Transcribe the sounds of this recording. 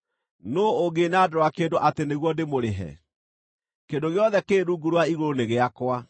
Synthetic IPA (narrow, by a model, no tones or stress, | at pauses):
noːɡenadoɾowakeːdoʔateneɣwɔdemoɾeɦɛ̰ | kendoɣjɔðɛkeːɾuːɡuɾwaiɣoɾoneɣeakwa